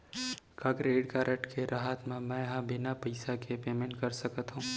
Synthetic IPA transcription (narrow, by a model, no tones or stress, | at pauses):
kakɾeːɖkaɾʔɐʈkʰeɾʔaɦət̪mẽmɛ̃ɦãbɪnapɐɪsakepeːmẽːɳʈkɐɾsɐkət̪ɦũː